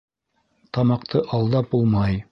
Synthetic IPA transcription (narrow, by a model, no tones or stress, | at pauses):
t̪ɑmɑq̚t̪ʰɤʔɑlˠd̪ɑp̚bulˠmɑj